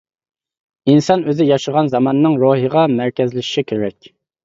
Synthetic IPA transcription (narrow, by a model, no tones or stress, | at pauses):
insɑnøzɪjɑʃəʁɑnzɑmɑnənɨŋɾoɦiʁɑmæɾkʲɛzlɪʃi̥ʃikʲʰeɾɛkʲ